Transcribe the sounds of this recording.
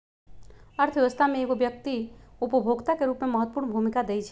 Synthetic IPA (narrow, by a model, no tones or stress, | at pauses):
əɾt̪ʰʋjeʋəst̪ʰamẽeːɡobjək̚t̪iupəbʱoɡt̪akeɾuːpmeməɦət̪ːpuːɾnbʱumikad̪eit͡ʃʰɛ